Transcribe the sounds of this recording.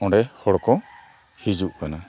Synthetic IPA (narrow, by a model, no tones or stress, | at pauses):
ɔ̃ɖɛhɔɽɔkɔ̃ | hid͡ʒuʔkana